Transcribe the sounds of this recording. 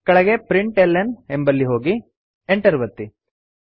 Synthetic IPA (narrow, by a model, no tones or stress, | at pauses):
kɐɭɐɡe̞pɾiɳʈelːenembɐlːiɦo̞ːɡi | eɳʈɐɾuʋɐt̪ːi